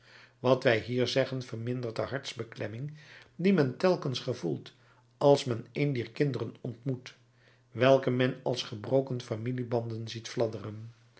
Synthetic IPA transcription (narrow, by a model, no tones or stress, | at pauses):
ʋɑtʋɛjɦiːɹzɛχənvəɹmɪndəɹdəɦɑɹtzbəklɛmɪŋdimɛntɛlˠkənsχəvulˠt | ɑlˠsmɛnejndiːɹkɪndərənɔntmut | ʋɛlˠkəmɛnɑlˠsχəbrowkənfamilibɑndənzitflɑdərən